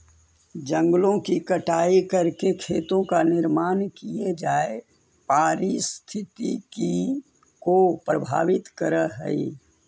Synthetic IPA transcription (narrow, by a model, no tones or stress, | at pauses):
d͡ʒə̃ŋɡlõkikɐʈaːikɐɾkekʰeːt̪õkanɪɾmaːnkied͡ʒaːe | paːɾist̪ʰɪt̪iki | kopɾəbʱa̰ːʋɪt̪kəɾəɦɛ̰ḭ